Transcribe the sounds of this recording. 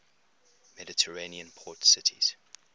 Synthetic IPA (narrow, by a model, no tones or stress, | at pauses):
mɛdɪtʰəɹeniə̃npʰɔːˑtsɪtʰḭz̥